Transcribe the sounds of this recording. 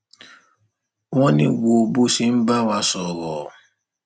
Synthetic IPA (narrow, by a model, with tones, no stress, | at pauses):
wɔ̃˦nĩ˦wo˨bu˦si˨m̩˦ba˦˨wa˧sɔ˨βɔ˨